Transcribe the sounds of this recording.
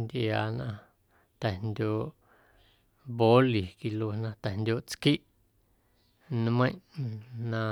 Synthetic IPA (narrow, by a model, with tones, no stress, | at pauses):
nd̪ʲʔjaː˨˧nã˧ | t̪ɛ˨nd̪ʲoː˧ʔ | bo˦li˨ki˧lo˧nã˧t̪ɛ˨nd̪ʲo˧ʔt͡ski˦ʔ | ñ˦mə̃˦ʔnã˧